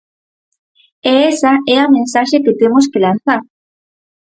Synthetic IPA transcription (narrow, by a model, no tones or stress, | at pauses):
eesaʔɛamẽnsaʃeket̪emoskelãn̟θaɾ